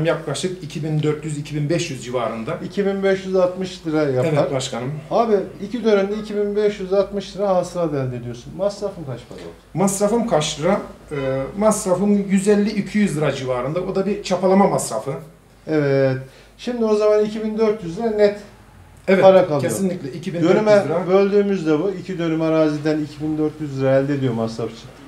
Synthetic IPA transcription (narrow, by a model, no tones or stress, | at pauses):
mjaklˠaʃt̪ɯkicʰibind̪øɾt̪ʰjyzicʰibinbɛʃjyzd͡ʒivaːɾɯnd̪aicʰibinbɛʃjyzat̪mɯʃd̪ˠɯɾajapɛvɛaɾbaʃkʰanɯmaːbiicʰid̪øɾɛnd̪ɛicʰibinbɛʃjyzat̪mɯʃd̪ˠɯɾaɦasɯɾab̪ælʲd̪ed̪ijo̞sunmasɾafɯmkaʃmado̰masɾafɯmkʰaʃlɯɾaɯmasɾafɯmjyzɛlʲːiycʰyjyzld̪ɯɾad͡ʒivaːɾɯnd̪abod̪abit͡ʃʰapalˠamamasɾafɯ | ɛvɛt̪ | ʃimd̪io̞zamanicʰibind̪øɾt̪jyzd̪ɾanɛt̪ | ɛvɛpaɾakʰalˠʰejsoinlʲicʲlʲɛicʰibind̪ønnymɛɾabølʲd̪yːmyzd̪ɛbuicʰid̪ø̞nymaɾaːzid̪ænicʰibind̪øɾt̪ʰjyzlɯɾaɛlʲd̪ed̪ijo̞masɾaft͡ʃʰɯ̥n